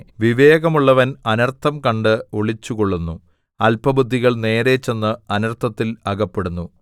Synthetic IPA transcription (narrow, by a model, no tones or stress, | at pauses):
ʋiʋe̞ːɣɐmuɭːɐʋɐnɐnɐrt̪ʰːɐmkɐɳɖɨoɭit͡ɕːukoɭːunːu | ɐlpɐbud̪ʱːiɣɐɭne̞ːɾet͡ɕːe̞nːɨɐnɐrt̪ʰɐt̪ːilɐɡɐpːe̞ɽunːu